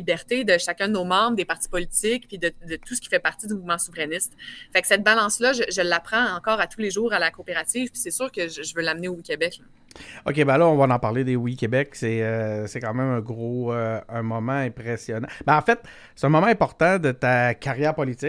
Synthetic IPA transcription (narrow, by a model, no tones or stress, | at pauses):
ibɛʁt̪ed̪əʃakʲd̪ənoːmɑ̃bʁd̪epaʁ̥t̪i̥pɔlit̪ɪkpid̪əd̪ət̪usə̥kʲi̥fɛpaʁt̪id̪ymuvmɑ̃suvʁɛnɪst̪faksɛt̪̚balɑ̃slʌʒəʒəlːapχɑ̃ɑ̃kɑːʁat̪ʰuleʒuːʁalakoːpeʁat͡s̪iːv̥pi̥sɛsyːʁkəʒəʒəvølamneowikʲebɛkl | o̰kʲebɛlaɔ̃vanɑ̃paʁled̪ewikʲebɛksɛøsɛkɑ̃ːmɛ̃mɛ̃ɡʁoøɛ̃mɔmɑ̃ɛ̃pʁesjɔnãbɛɑ̃fɛt̪̚ | sse̥t̪ɛ̃mɔmãɛ̃pɔʁt̪ɑ̃d̪ət̪akaʁjɛːʁpɔlit͡sɪk